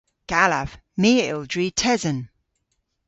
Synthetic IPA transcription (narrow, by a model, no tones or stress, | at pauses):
ɡ̥alav̥ | miːɪ̰lˠdɹitʰɛzən